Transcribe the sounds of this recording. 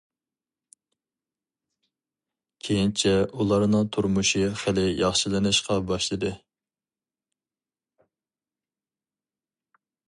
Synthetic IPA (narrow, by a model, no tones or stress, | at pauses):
kʲʰejint͡ʃʰɛʔulˠɑɾnɨŋt̪ʰuɾmuʃiχælɪjɑχʃilɪnɨʃqɑbɑʃlˠɨd̪ɨ